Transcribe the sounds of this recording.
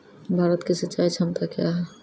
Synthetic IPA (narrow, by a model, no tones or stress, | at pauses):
bʱaɾət̪kesətːt͡ʃːaːit͡ʃʰəmt̪akeaɦɛ